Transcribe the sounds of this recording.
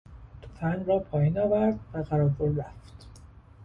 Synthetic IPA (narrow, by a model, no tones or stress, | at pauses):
d̪̥ofænrɒːpʰɒːjiːnɒːvæɾd̪̚væɣæɾɒːɾboɾɾæft̪